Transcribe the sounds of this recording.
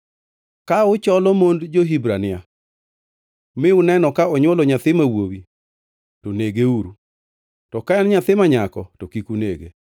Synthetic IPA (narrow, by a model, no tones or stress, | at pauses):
kaʊt͡ʃɔlɔmondd͡ʒoɦibɾanɪa | mɪʊnɛnɔkaɔɲwɔlɔɲat̪ɪmawowi | toneɡeuɾu | tɔkaɛnɲat̪ɪmaɲakɔtokikuneɡe